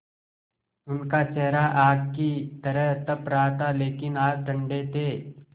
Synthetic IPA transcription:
ʊnkat͡ʃɛɦɾaʔaːɡkːit̪ɐɾəɦt̪ɐpɾaːt̪aleːkɪnaːkʈ̪ʰə̃ɳɖet̪eː

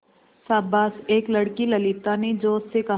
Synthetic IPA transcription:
saːbaːseːklɐɽkilɐlɪt̪aned͡ʒoːsːeka

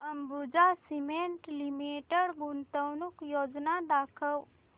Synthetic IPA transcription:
əmbud͡ʒasimeɳʈlimeʈəɽɡunt̪əwnukjoːd͡ʒnad̪aːkʰəw

